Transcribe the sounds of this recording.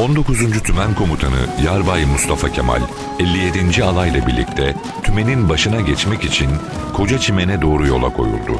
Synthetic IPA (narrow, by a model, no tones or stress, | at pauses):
o̞nd̪o̞kuzund͡ʒyt̪ʰymænkʰo̞mut̪ʰanɯ̰jaɾbajmust̪ʰafacʰḛma̰lʲ | ɛlʲːije̞d̪ind͡ʒialˠajlˠabiɾlʲḭc̚t̪ʰɛ | t̪ʰyme̞ninbaʃɯnaɟɛt͡ʃmɛcit͡ʃʰin | kʰo̞d͡ʒat͡ʃʰimenɛd̪o̞ːɾujo̞̰lˠakʰo̞̰jṵlˠd̪ʊ̰